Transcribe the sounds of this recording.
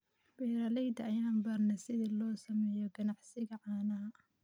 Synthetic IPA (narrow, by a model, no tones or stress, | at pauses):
b̥ɛːɾɐlɛjd̪ɐɐjaːnbɐrnɐsɪðilɔːsɐmɛːjɔɡɐnɑʕsɪɣɐʕɑːnɐɐ